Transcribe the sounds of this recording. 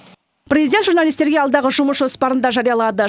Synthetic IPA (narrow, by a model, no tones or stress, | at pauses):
pɾʲezid̪ʲent̪ʒuɾnalˠijst̪e̞ɾɡʲeɑlˠd̪ɑʁəʒʊməsʒo̞spɑɾənd̪ɑʒɑɾijɑlˠɑd̪ə